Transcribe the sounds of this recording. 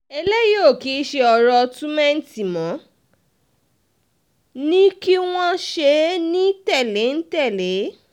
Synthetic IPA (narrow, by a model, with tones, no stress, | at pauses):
e˧le˦jo˦˨ki˨˦ʃe˧ɔ˧ɾɔ˧tũ˦mɛ̃˦n̩˦ti˨mɔ̃˨˦ | nĩ˦ki˦w̃ɔ̃˦ʃe˧nĩ˦tɛ˦˨le˨˦n̩˦tɛ˦˨le˨˦